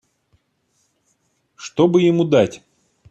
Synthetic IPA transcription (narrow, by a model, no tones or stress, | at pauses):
ʂt̪obɨjɪmud̪atʲ